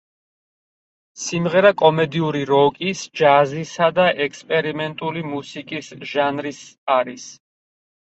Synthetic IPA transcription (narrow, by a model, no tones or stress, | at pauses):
simʁɛɾakʼɔmɛd̪iuɾiɾɔkʼisd͡ʒazisad̪aʔɛkʰspʼɛɾimɛnt̪ʼulimusikʼisʒanɾisaɾis